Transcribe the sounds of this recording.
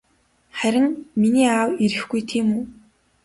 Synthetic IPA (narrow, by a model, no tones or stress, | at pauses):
χæɾʲɪ̆ŋminiːaːwiɾɘ̆xɡujt̪ʰiːmuː